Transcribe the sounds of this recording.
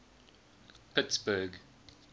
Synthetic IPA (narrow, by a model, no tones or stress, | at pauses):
pʰɪtsbəɡ